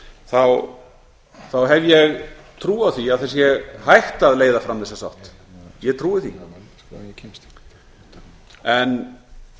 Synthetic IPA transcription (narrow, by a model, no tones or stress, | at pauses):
θaw | θawɦɛvjɛɣt̪ʰɾuːawθiaðθɛs̬jɛɣhajht̪aðleːjðafɾamθɛsːḁsa̰wht̪ | jɛt̪ʰɾuːɪθḭ | ɛn